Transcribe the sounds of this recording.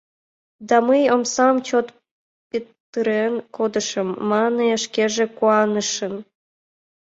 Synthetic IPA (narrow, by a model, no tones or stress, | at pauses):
d̪ɑməjomsɑmt͡ɕot̪ | pit̪ːəɾenkod̪əʃəmːɑneʃkeʒekuɑnəʃən